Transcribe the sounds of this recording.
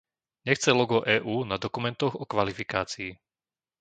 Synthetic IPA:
ɲɛxt͡sɛlɔɡɔʔɛːʔuːnad̪ɔkumɛnt̪ɔɣɔkʋalifikaːt͡sii

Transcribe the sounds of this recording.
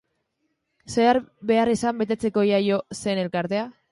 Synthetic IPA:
seaɾbe̞arisambe̞t̪e̞t͡se̞ko̞jajo̞se̞ne̞lkaɾt̪e̞a

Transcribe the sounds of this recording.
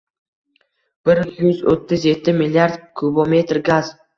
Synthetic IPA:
b̥ɪɾjʊzo̰t̪ʰːɪzje̞t̪ʰːɪmɪlʲːiaɾd̪kʰubome̞t̪ɾɡaz

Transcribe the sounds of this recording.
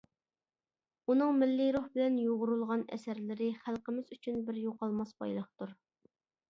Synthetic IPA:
unɨŋmɪlːɪɾuhbɪlɛnjoʁʊɾulˠʁɑnɛ̰sæɾlɪɾɪχælˠqəmɪzyt͡ʃʰynbɪɾjoqɑlˠmɑsbɑ̰jlˠəχt̪uɾ

